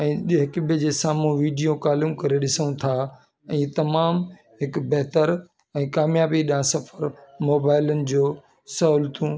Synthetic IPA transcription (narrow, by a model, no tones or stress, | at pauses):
ɛ̃ːɗɦɪkbd͡ʑeːsaːmũʋiːɖijõkaːlumkɐɾeɗɪsənũt̪ʰaː | ɛ̃ːt̪ɐmaːm | ɦɪkbɛɦt̪əɾ | ɛ̃ːkaːmjaːbiɗãsɐfəɾmoːbaːɪlənɪ̆d͡ʑoː | sɐɦʊlt̪ũ